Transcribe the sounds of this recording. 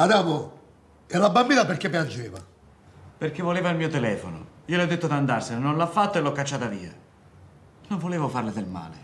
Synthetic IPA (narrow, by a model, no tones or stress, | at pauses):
ad̪aːmʊ | ɛlabambiːnapeɾkːepːjand͡ʒɛːva̰ | perk̟evːoleːvailmiːot̪ɛlɛːfonʊ̰iːoleɔd̪ːet̪ːod̪and̪arsɪnnonlafːat̪ːoelɔkːat͡ʃːaːt̪aviːa | noɱvoleːvʊfarlɪd̪elma̰ːlɪ̰